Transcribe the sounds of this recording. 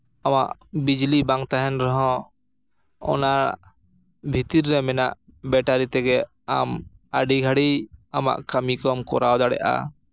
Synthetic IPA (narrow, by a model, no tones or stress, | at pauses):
ama̰ʔbid͡ʒlibaŋt̪aɦɛnɾɔɦɔ̃ | ɔ̰naɾ | bʱit̪iɾːɛmɛna̰ʔ | bɛʈaɾit̪ɛɡɛ | a̰maɖiɡʱaɽiama̰ʔkəmikɔmkɔ̰ɾawd̪aɽɛ̰ʔa̰